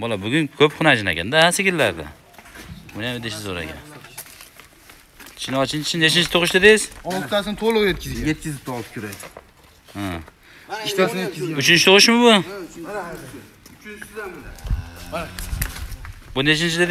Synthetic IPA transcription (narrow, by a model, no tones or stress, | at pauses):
bɒlˠabʊɡʲʊnkʲʰɵpkʰʊnad͡ʒɪna̰kʲa̰nd̪ahasekʲɪlːaɾd̪ɪ̰ | ʊnjamd̪eʃɪzoɾa̰kʲa̰n | t͡ʃʰɪnɒt͡ʃʰɪnt͡ʃɪt͡ʃsɪnet͡ʃʰɪnt͡ʃʰɪt̪ʰʊqʊʃd̪ad̪ejɪz̥ɒlˠt̪ʰːasɪnɪt̪ʰolˠʊqjet̪̚kʲɪzʲet̪̚kʲɪzɪp̚t̪ɒlˠp̚kʰʲʊɾa | a | aeʊt͡ʃʰɪnt͡ʃʰɪt̪ʊqɨʃmʊbʊ | bʊnet͡ʃɪnt͡ʃʰɪd̪a